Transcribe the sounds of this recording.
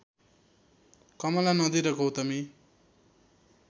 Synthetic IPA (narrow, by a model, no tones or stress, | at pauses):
kʌmʌlanʌd̪iɾʌɡʌwt̪ʌmi